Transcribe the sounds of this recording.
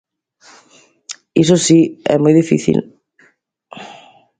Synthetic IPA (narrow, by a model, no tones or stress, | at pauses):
isosiɛ̰mojðifḭθḭl